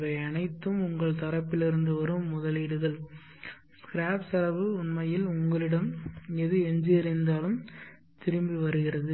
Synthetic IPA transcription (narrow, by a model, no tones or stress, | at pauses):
ɾɐɪɐnɐɪt̪ːɯmʊŋɡɐɭt̪ɐɾɐpːɪlɪɾɯnd̪ɯʋɐɾɯmːʊðɐlɪɽɯɣɐɭ | skɾaːpsɐlɐʋɯʊɳmɐjɪlʊŋɡɐɭɪɽɐmɛðɯɛɲd͡ʒiɐɾɪnd̪aːlɯm | t̪ɪɾɯmbiʋɐɾɯɣɪrɐðɯ